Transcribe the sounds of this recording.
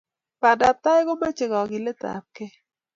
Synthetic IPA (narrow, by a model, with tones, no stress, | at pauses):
pa˨da˨p̚t̪a˦ɪ˦ɡo˦ma˦t͡ʃɪ˨ɡɔ˨ɡɪ˨le˦t̪a̰˨p̚ke˦